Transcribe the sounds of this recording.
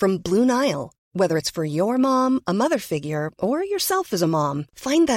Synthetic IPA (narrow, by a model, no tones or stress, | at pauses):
fɹʌ̃mblũnaɪl̩ˠ | wɛðə˞ɨtsfə˞jə˞mɑ̃məmʌðə˞fɪɡjə˞ʔə˞jə˞sɛlˠfɨzəmɑ̃mfãɪ̃nðɨ